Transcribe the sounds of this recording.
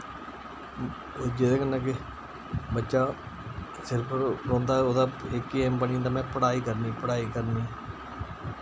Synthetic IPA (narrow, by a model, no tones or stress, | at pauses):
d͡ʒɪd̪eːkənːãːkɪ | bətːʃaː | sɪɾpʰɾɔ̃ːnd̪aːoːd̪aːɪkːiːɛːmbənĩd̪aːmɛ̃ːpəɽaːiːkəɾniːpəɽaːiːkəɾniː